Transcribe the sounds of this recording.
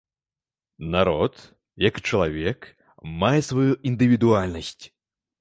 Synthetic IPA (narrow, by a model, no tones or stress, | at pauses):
naɾɔt̪ | jɐkt͡ʂɐlˠavʲɛk | majɛsvajuʔind̪ɨvʲid̪ualʲnɐsʲt͡sʲ